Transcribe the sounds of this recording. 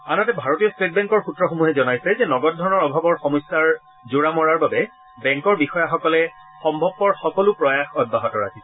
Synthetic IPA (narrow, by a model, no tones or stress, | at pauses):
anɔtɛbʱaɹotijɔstet̚bɛ̃ŋkɔɹxutɹɔxomuɦɛzɔnajsɛzɛnɔɡɔt̚dʱɔɹɔnɔɹɔbʱabɔɹxɔmɔsːaɹ | zoɹamɔɹaɹbabɛ | bɛ̃ŋkɔɹbixɔjaxɔkɔlɛ | xɔmbʱɔb̚pɔɹxɔkɔlʊpɹɔjaxɔd̚baɦɔtɔɹa̰ki